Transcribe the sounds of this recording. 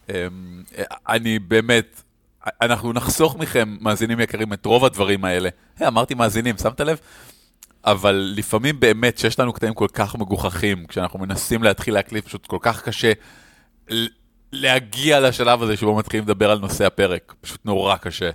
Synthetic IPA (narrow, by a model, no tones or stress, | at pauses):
em | a̰nibe̞ːme̞t | anaχnunaχsoχmiχe̞mːaːzinimjekaʁimet̪ʁo̞vadvaʁimae̞le̞ | hejamaʁt̪imaːzinimsamt̪alev | avalːifamimbe̞ːme̞tʃejeʃlanukt̪animko̞lkaχme̞ɡuχaχimkʃeanaχnume̞nasimleat̪χilːeaklitpḁʃut̪ko̞lkaχkaʃe̞ | l | le̞haɡialaʃalavazeʃebomat̪χilimled̪abe̞ʁalno̞se̞hape̞ʁe̞kpḁʃu̥t̪no̞ʁakaʃe̞